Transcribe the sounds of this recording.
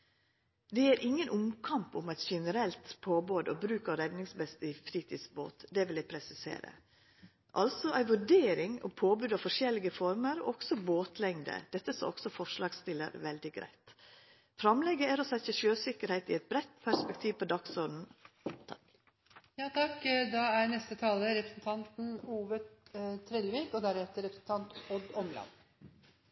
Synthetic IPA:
d̪ɛæɾʔɪŋːənʔʊmkʰɑmpʊmæɪt̪ʃɛnəɾɛlt̪pʰoːboːd̪o̰ːbɾʉːkɑɾɛd̪nɪŋsbɛst̪ɪfɾiːt̪ʰɪsbo̰ːt̪d̪ɛʋɪljæɪpʰɾɛsɪsḛːɾə̰ | ʔɑ̰lsɔʔæɪʋʉɖeːɾɪŋɔ̰pʰoːbʉːd̪ɑfɔʂɛlɪɡəfɔɾməɾo̰ːʔɔɡsɔboːt̪ʰlɛŋd̪ə̰d̪̥ɛt̪ːəso̰ɔ̰ksɔfɔʂlɑːɡst̪ɪlə̰ɾʋɛld̪ɪɡɾæ̰ɪt̪ | fɾɑmlɛɡəæɾɔsɛçəʃøːsɪkəɾhɛɪt̪ɪɛt̪̚bɾɛt̪ːpʰæʂpɛkt̪ʰiːʋpʰɔd̪ɑksɔnn̩ | jɑt̪ʰɑkd̪ɑænɛst̪ət̪ʰɑːləɾɛpɾəsn̩t̪ʰɑnt̪n̩uːʋət̪ʰːɾɛlʋiːkɔd̪æɾhɛt̪əɾɛpɾəsn̩t̪ʰɑnt̪ɔd̪ɔmlɑ̰n

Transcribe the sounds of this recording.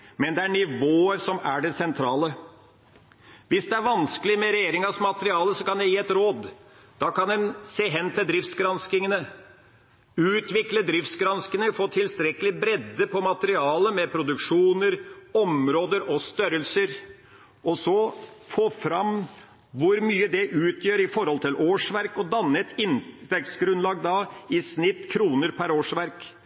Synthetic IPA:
mɛnd̪ɛæɳɪʋoːəɾsɔmæɖɛsɛnt̪ʰɾɑːlə | ʋɪsd̪ɛæɾʋɑnskəlɪmɛɾɛjeːɾɪŋɑsmɑt̪əɾɪɑːləsɔkɑnd̪ɛjiːɛt̪ɾoːd̪ | d̪̥ɑkɑnd̪ɛnseːɦɛnːt̪ʰɪld̪ɾɪft̪sɡɾɑnskɪŋənə | ʉːt̪ʰʋɪkləd̪ɾɪft̪sɡɾɑnskənəfoːt̪ʰɪlst̪ɾɛkːəlɪbɾɛd̪ːəpʰɔmɑt̪əɾɪɑːləmɛpʰɾʊd̪ʉkʂuːnəɾɔmɾoːd̪əɾɔst̪œɾəlsəɾ | ʔɔsɔfoːfɾɑm | ʋʊɾmyːəd̪ɛʔʉːt̪ʰjøːɾɪfɔɾhɔlt̪ʰɪlʔoːʂʋæɾkɔd̪ɑnːəɛt̪ʰɪnʋɛk̪sɡɾʉnlɑːɡd̪ɑɪsnɪt̪ːkʰɾuːnəɾpʰæɾoːʂʋæɾk

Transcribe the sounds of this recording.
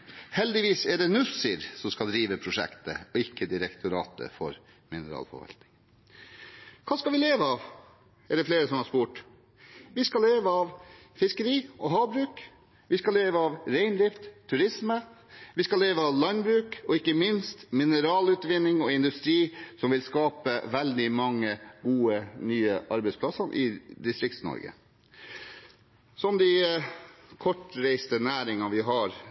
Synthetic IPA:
hɛld̪ɪʋiːsɛɖɛnʉsəɾsɔskɑld̪ɾiːʋəpʰɾʊʂɛ̰kt̪ə̰ɔɪkʰːəd̪ɪɾɛkt̪ʰʊɾɑ̰ːt̪ə̰fɔ̰ɾ | mɪnəɾɑ̰ːlfɔ̰ʋɑ̰lt̪̚nɪ̥ŋ | kʰɑːskɑlʋɪleːʋəɑːʋ | ɛɖɛfleːɾəsɔmhɑɾʂspuːʈ | ʋɪskɑleːʋəɑʋ | fɪskəɾiːɔɦɑːbɾʉːk | ʋɪskɑleːʋəɑːʋɾeɪnd̪ɾɪft̪ʰːʉɾɪsməʋɪskɑleːʋəɑːʋlɑnbɾʉːkɔɪkːəmɪnst̪mɪnəɾɑːlʉːt̪ʋɪnːɪŋɔɪnd̪ʉst̪ɾiːsɔmʋɪlskɑːpəʋɛld̪ɪmɑŋːəɡuːənyːəʔɑɾbɛɪspʰlɑsɑnʔɪ̰d̪ɪst̪ɾɪkt̪snɔ̰ɾɡə̰ | sɔmd̪ɪ | kʰɔʈɾæɪst̪ənæːɾɪŋɑʋɪɦɑɾ

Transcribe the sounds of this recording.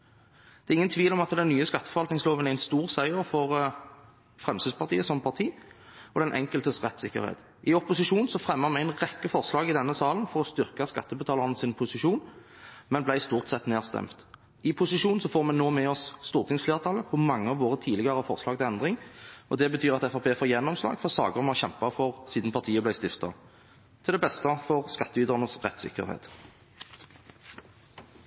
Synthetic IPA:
d̪̥ɛʁɪŋːənt̪ʰʋiːlɔmɑt̪d̪ɛnːyːəskɑt̪ːə̥fɔʁʋɑlt̪nɪŋsloːʋənæɪnst̪uːʁsæɪəʁfɔʁ | fʁɛmsyːspɑʁt̪ʰiːəsɔmpʰɑʁt̪ʰiːɔd̪ɛnʔɛ̰ŋkəlt̪əsʁɛt̪ːsɪkːə̰ʁhḛːt̪ | ɪɔpʊsɪʂuːnsɔfʁɛmːəʁmɛæɪnʁɛkːəfɔʁslɑːɡɪd̪ɛnːəsɑːlənfɔʁɔst̪ʏʁkɑskɑ̰t̪ːəbət̪ʰɑːləʁənəsɪnpʰʊsɪʃuːn | mɛnblæɪst̪uːʁt̪sɛt̪neːʁst̪ɛ̰mt̪ | ɪpʰʊsɪʃuːnsɔfoːʁmɛnːoːmɛɔsːt̪uːʁt̪ʰɪŋsfleːʁt̪ʰɑləpʰɔmɑŋːəɑʋoːʁət̪ʰiːlɪɡəʁəfɔʁslɑːɡ̚t̪ɪlɛnd̪ʁɪŋʔɔd̪ɛbət̪ʰyːʁɑt̪ɛfɑpʰeːfoːjɛnːɔmslɑ̰ːɡfɔʁsɑ̰ːɡəʁmɑɕɛmpɑfɔʁsiːd̪n̩pʰɑʁt̪ʰiːəblæɪst̪ɪft̪ɑ | t̪ʰɪld̪ɛbɛst̪əfɔʁskɑt̪ːəyːd̪əʁnəsʁɛt̪sɪ̰kə̰ʁhḛːt̪

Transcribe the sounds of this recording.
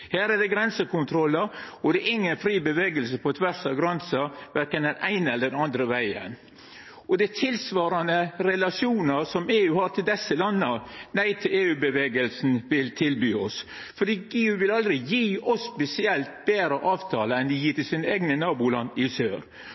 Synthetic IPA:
hæːɾɛdɛɡɾɛnsəkʊnt̪ʰɾɔlːəɾ | ɔd̪ɛʔɪŋːənfɾiːbəʋeːɡəls̬əpʰɔt̪ʰʋæɾsɑʋɡɾɛnsəʋæɾkənd̪ɛnæɪnɛlːəɖɛnɑnd̪ɾəʋæɪə̰n | ɔd̪æt̪ʰɪlsʋɑːɾɑnəɾɛlɑʂɪuːnəsɔmeːʉːhɑɾʈ̪ʰɪld̪ɛsːəlɑnːənæɪt̪ʰɪleːʉːbəʋeːɡəlsn̩ʋɪlt̪ʰɪlbyːɔs | fɔɖiːeːʉːʋɪlɑld̪ɾɪjiːɔsːpɛsɪɛlt̪̚beːɾəʔɑːʋt̪ʰɑːləɛnd̪ɪjiːɾt̪ɪlsiːnəeːɡnənɑːbʊlɑ̰nːɪsø̰ːɾ

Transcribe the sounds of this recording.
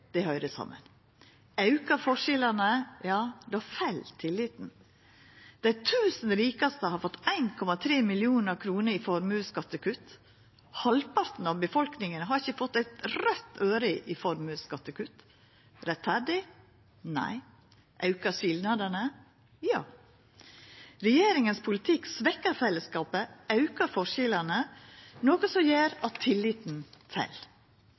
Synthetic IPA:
d̪̥ɛhœʏɾəsɑ̰mːə̰n | ɑʉkɑfɔʂɛlɑnəjɑːd̪ɛɑfæɪlt̪ʰɪlːɪːt̪n̩ | d̪̥æɪt̪ʰʉːsn̩ɾiːkɑst̪əhɑɾfɔt̪ːæɪnkʰɔmɑt̪ʰɾeːmɪlɪuːnəɾkʰɾuːnəɾɪfɔɾmʉskɑt̪ːəkʉt̪ː | hɑlpɑɾt̪n̩ɑʋbəfɔlknɪŋənəɦɑɾɪçəfɔt̪ːæɪt̪ɾœt̪ːøːɾɪʔɪfɔɾmʉskɑt̪ːəkʉt̪ː | ɾɛt̪fæɖɪ | næ̰ɪ | ʔɑʉkəʂɪld̪nɑd̪ənə | jɑː | ɾɛjeːɾɪŋənspʰʊlɪt̪ʰɪksʋɛkːəɾfɛlːəskɑːpəʔɑʉkəɾfɔʂɪlɑnənoːkəsɔjeːɾɑt̪ʰɪlːiːt̪n̩t̪ʰɛ̰l

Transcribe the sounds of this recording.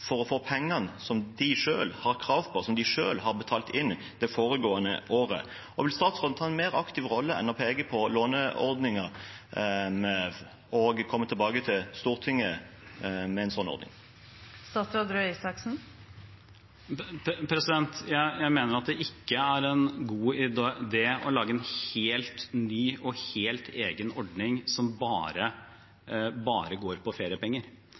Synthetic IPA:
fɔɾɔfoːpʰɛŋːɑnəsɔmd̪ɪʂøːlhɑʁkʰɾɑːʋpʰɔsɔmd̪ɪʂø̰ːlhɑʁbət̪ʰɑːlt̪ɪnː | d̪ɛfoːɾəɡoːənə̰ʔoːɾə̰ | ɔʋɪlst̪ɑːt̪sʁoːd̪t̪ʰɑːɛnmeːɾɑkt̪ɪʋʁɔlːəɛ̰nɔpʰeːɡəpʰɔloːnəɔ̰ɾd̪nɪŋɑ | møːʋ | ɔɡkʰɔmːət̪ʰɛlbɑːɡət̪ʰɪlst̪uːʁt̪ʰɪŋːə | mɛɛɪnsɔnːɔ̰ʁd̪nɪ̰ŋ | st̪ɑːt̪sɾɑd̪ɾøisɑksn̩ | pʰɾɛsɪd̪ɛnt̪jæɪjæɪmeːnəɾɑt̪̚d̪ɛʔɪkːəæɾɛnɡuːɪd̪eːɔlɑːɡəɛnheːlt̪nyːʔɔheːlt̪ʰeːɡənɔɖnɪŋsɔmbɑːɾə | bɑːɾəɡoːɾpɔfeːɾɪəpɛŋːəɾ

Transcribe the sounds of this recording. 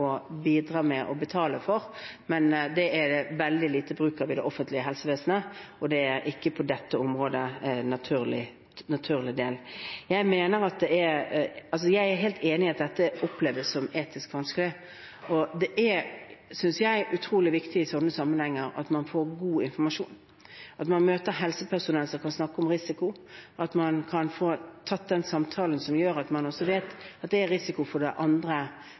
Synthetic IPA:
ɔbiːd̪ɾɑːmɛʔɔbət̪ʰɑːləfɔɾmɛnd̪ɛæd̪ɛʋɛld̪ɪliːt̪əbɾʉːkəɾʋɪd̪ɛʔɔfənt̪lɪəɦɛlsəʋeːsn̩əʔɔd̪ɛæɾɪkːəpʰɔd̪ɛt̪ːəʊmʁoːd̪ənɑt̪ʰʉːʁlɪ | nɑt̪ʰʉːʁlɪd̪eːljæɪmeːnəɾɑt̪̚d̪ɛæɑls̬ɔjæɪæɾɦeːlt̪eːnɪɪɑt̪̚d̪ɛt̪ːəʔʊpleːʋəssɔmeːt̪ɪskʋɑnskəlɪ | ɔd̪ɛʔæsʏnsjæɪʔʉt̪ʰɾuːlɪʋɪkt̪ɪɪsɔnːəsɑmːənhɛŋːəɾɑ̰t̪mɑnfoːɾɡuːɪnfɔɾmɑʂṵːn | ʔɑt̪mɑnmøːt̪əɾɦɛlsəpʰæʁsʊnɛlsɔmkɑnsnɑkːəɔmɾɪsɪkʊʔɑt̪mɑnkʰɑnfoːt̪ʰɑt̪̚d̪ɛnsɑmt̪ʰɑːlənsɔmjøːɾɑt̪mɑnɔsːɔʋeːt̪ɑt̪̚d̪ɛːɾɾɪsɪkʊfɔɖ̪ɛʔɑnd̪ɾə

